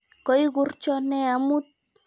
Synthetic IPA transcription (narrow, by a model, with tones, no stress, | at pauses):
kɔ˨i˦ɡʊ˨rt͡ʃɔ˦nɛ˦a˨mu˦t̪̚